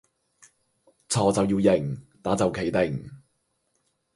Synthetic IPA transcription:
t͡sʰɔː˨˩t͡sɐ˨wjiː˧wjɪ˨˩ŋt̪aː˨˥t͡sɐ˨wkʰe˨˩jt̪ɪ˨˩ŋ

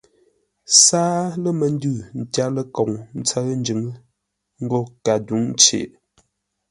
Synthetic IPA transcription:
saː˦lə˦mə˨n˦dʉ˦˨n̩˨ta˦lə˦kɔ˨ŋn̩˦t͡sə˦ɣn̩˦d͡ʒɨ˨˦ŋ˦ | ŋ̩˦ɡo˦˨ka˨du˨˦ŋt͡ʃḛ˨ʔ

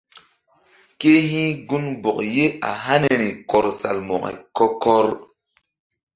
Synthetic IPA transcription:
ke˦hĩ˦ɡu˦nbo˨k̚je˦a̰˨ɦa˦ne˨ɾi˨kɔ˨ɾsa˨lmo˨kḛ˨kɔ˦kɔ˦ɾ

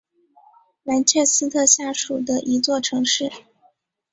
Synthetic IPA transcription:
na˧˥nt͡ɕʰjɛ˥˩sɹ̩˥t̪ʰɤ˥˧ɕja˥˩ʂu˨˩d̪ə˦ʔi˧˥t͡swɔ˥˩ʈ͡ʂʰɤ˧˥ŋʂɻ̩˥˩

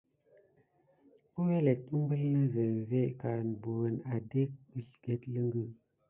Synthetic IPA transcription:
ku˦we˦le˨t̚ɗu˦mbə˦hi˦ja˦zə˨ve˦ka˨n˨bu˨wə˨na˨de˦k̚ɗə˨ɬɡ̥e˦tlə˦ŋɡə˦

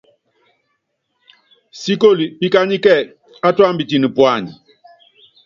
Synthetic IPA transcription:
si˦ko˦˨li˨bi˦ka˦ɲi˦kɛ˦˨ | a˦twa˦mbi˨ti˨ni˨pwa˦˨ɲi˨

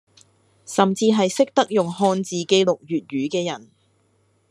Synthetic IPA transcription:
sɐ˨mt͡siː˧ɦɐ˨jsɪ˥k̚t̪ɐ˥k̚jʊ˨ŋɦɔː˧nt͡siː˨ke˧˥jlʊ˨k̚jyː˨t̚ɥyː˨˥kɛː˧jɐ˨˩n

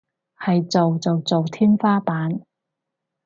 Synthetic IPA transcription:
hɐ˨jt͡so˨wt͡so˨wt͡so˨wt̪ʰiː˥nfaː˥paː˨˥n

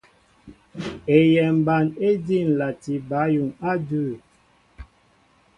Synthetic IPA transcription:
e˨jɛ˨m˨ba˨ne˦di˦˨n̩˨la˨ti˨ba˨˦ju˨ŋa˦dʉ˦˨

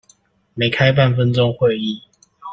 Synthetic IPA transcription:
me˨˦ɪkʰa˦ɪp̬a˥˨nfə˦nt͡sɔ˦ŋxwe˥˨ɪi˥˨

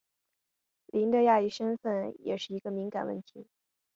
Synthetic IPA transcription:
lʔi˧˥nd̪ə˧ja˥˧i˥˩ʂə˥nfə˥˩njɛ̰˨˩ʂɻ̩˥˩i˧˥ɡ̥ə˧mi˧˥ŋka˨˩nwə̰˥˩nt̪ʰi˧˥

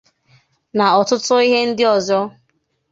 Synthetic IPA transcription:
na˨ɔ˨tʊ˦tʊ˦i˦ɦe˦n̩˦dɪ˦ɔ˨zɔ˦

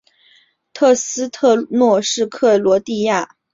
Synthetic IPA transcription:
t̪ʰɤ˥˩sɹ̩˥t̪ʰɤ˥˧nwɔ˥˧ʂɻ̩˥˧kʰɤ˥˩lwɔ˧˥t̪i˥˧ja˥˩

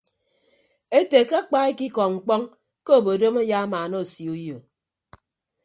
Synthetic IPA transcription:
e˦te˨ka˦a˦k͡pa˦e˦ki˦kɔ˨ŋ͡m̩˨k͡pɔ˦ŋ | ko˦o˨bo˨do˦ma˦ja˦a˦maː˨no˦˨si˨u˦jo˨

